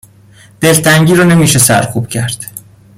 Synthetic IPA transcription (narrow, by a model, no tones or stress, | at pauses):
d̪̥e̞lt̪ʰæŋɟiːɾɒːne̞miːʃesæ̰ɾkʰuːb̥cʰæɾd̪̥